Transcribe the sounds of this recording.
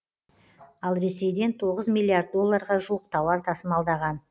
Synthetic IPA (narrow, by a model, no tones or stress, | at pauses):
ɑlˠɾe̞se̞jd̪e̞nt̪ʰo̞ʁəzmʲilʲːiard̪̚ːo̞lˠːɑɾʁɑʒuəq̚t̪ʰɑwɑɾt̪ʰɑsəmɑlˠd̪ɑʁɑn